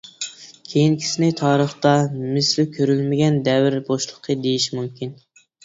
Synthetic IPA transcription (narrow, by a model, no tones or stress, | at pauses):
kʲʰejinkʲʰi̥sɪnɪt̪ʰɑːɾəχt̪ɑmɪslɪkʲʰøɾylmɪɡʲɛnd̪ɛvɪɾboʃlˠəqʰːəd̪ejiʃmumkʲin